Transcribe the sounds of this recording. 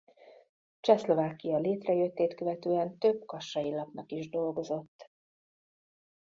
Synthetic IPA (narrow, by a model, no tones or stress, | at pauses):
t͡ʃɛslo̞vaːkːijɒleːt̪rɛjø̞t̪ːeːt̪køvɛt̪øːɛnt̪øb̚kɒʃːɒjilɒpnɒkiʒd̪o̞lɡo̞zo̞t̪ː